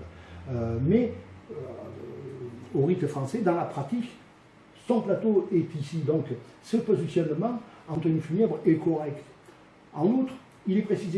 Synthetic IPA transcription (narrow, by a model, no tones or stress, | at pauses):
ømɛø | oʁit̪fχɑ̃sed̪ɑ̃lapχat̪ik | sɔ̃plat̪oɛt̪isid̪ɔ̃k | səpɔzisjɔnmɑ̃ɑ̃t̪χʁynfynɛbʁɛkɔʁɛkt̪ | ɑ̃nut̪χ | ilɛpχesize